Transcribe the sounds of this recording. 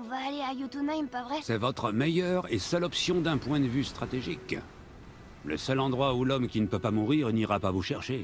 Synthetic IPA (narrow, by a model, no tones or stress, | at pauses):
ɔ̃vaːleajut̪unajmpavʁɛsɛvɔt̪χəmejœʁesœlɔpsjɔ̃d̪ɛ̃pwɛ̃d̪əvyst̪χat̪eʒik | lə̰sœlɑ̃d̪ʁwaulɔmkʲinəpøpamuʁiʁniʁapavuʃɛʁʃe